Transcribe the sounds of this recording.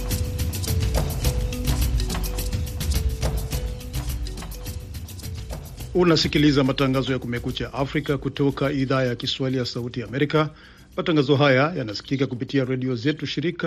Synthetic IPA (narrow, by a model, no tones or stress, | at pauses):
unasikilizamataŋɡazɔjakumɛkut͡ʃaʔafɾikakutɔkaiðaːjakiswahilijasautijaːmɛɾika | mataŋɡazɔɦajajanasi̥kikakupitiaɾɛɗiɔzɛtuʃiɾika